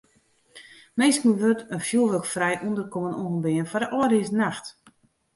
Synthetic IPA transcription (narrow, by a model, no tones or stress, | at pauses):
meːskən̩ʋøtənfjulˠʋøkfrɛjʔundərkomənoɣnbɪənfɔdəʔɔːdɪsnaxt